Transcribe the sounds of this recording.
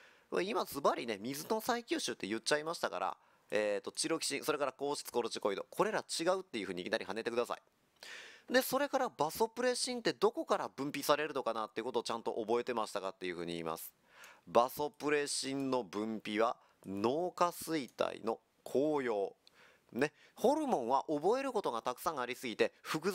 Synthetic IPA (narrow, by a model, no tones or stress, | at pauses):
βa̰imasɨbaɾʲine̞mʲizɨno̞saikʲɨːɕɨːt̪ːe̞jɯ̟t̚t͡ɕːaimaɕi̥t̪aka̰ɾa̰ | eːt̪ːo̞t͡ɕiɾo̞kʲi̥ɕĩso̞ɾe̞kaɾako̞ːɕi̥t͡sɨ̥ko̞ɾot͡ɕi̥ko̞id̪o̞kʰo̞ɾe̞ɾat͡ɕiɡaɯ̟t̪ːe̞jɯ̟ɸɯ̟ɲikʲinaɾʲihane̞t̪e̞kɯ̟d̪asa̰i | d̪e̞so̞ɾe̞kaɾabaso̞pɯ̟ɾe̞ɕĩnt̪e̞d̪o̞ko̞kaɾabɯ̟̃mpʲisaɾe̞ɾɯ̟no̞kanat̪ːeiɯ̟ko̞t̪oːt͡ɕãnt̪o̞̰ʔobo̞e̞t̪e̞maɕi̥t̪akat̪ːe̞jɯ̟ɸɯ̟ːɲ̟iḭːma̰sɨ̥ | baso̞pɯ̟ɾe̞ɕĩnno̞bɯ̟̃mpʲiβ̞a | no̞ːkasɨit̪a̰ḭno̞ | kʰo̞ːjo̞ː | ne̞ | ho̞ɾɯ̟mõ̞ɰ̃βaʔo̞bo̞e̞ɾɯ̟ko̞t̪o̞ɡat̪akɯ̟̥sãɰ̃aɾʲisɨɡʲit̪e̞ɸɯ̟kɯ̟